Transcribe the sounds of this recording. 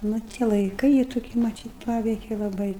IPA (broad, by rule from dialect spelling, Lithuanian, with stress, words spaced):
ˈnʊ tʲiɛ lˠɐɪˈkɨɪ jiː toːˈkʲiː mɐˈtʲiːt ˈpɑːʋʲɛɪkʲɛ lˠɐˈbɐɪ